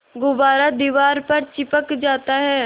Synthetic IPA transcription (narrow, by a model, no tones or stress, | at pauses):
ɡʊbaːɾad̪iːʋaːɾpɐɾt͡ʃɪpəkd͡ʒaːt̪aɦɛː